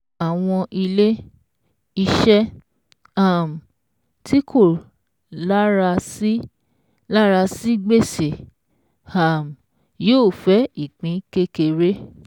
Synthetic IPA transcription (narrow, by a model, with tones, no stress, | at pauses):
a˨w̃ɔ̃˧ʔi˧le˦ | i˧ʃɛ˦ | a˦˨m̩˨ | ti˦kʰo˦˨ | la˦ɾa˧i˦ | la˦ɾa˧si˦ɡ͡be˦˨se˨ | a˨m˨ | joː˦˨fɛ˨˦i˦˨k͡pĩ˨˦ke˦ke˧ɾe˦